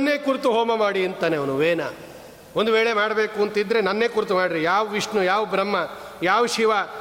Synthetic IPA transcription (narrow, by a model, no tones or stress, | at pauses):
ɐnːeːkuɾt̪uɦoːmɐmaːɽiɐnt̪aːneɐʋɐnuʋeːna̰ | ond̪uʋeːɭemaːɽɐbeːkuɐnt̪id̪ːɾe̞nɐnːe̞ːkuɾt̪umaːɽiɾijaːʋɐʋiʂnujaːʋɐbɾɐmːɐjaːʋɐʃiʋa